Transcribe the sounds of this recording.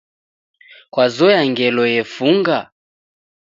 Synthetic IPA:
kwazɔjaŋɡɛlɔjɛfuŋɡa

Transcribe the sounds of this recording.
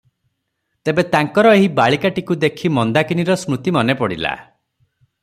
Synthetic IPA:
t̪ebet̪aŋkɔɾɔeɦibaɭikaʈikud̪ekʰimɔnd̪akiniɾɔsmut̪imɔnepɔɽḭla̰

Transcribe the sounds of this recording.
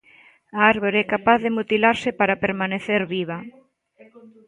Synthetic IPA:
aaɾβoɾɛkapaððemut̪ilaɾsɪpaɾapeɾmaneθeɾβiβ̞ɐ

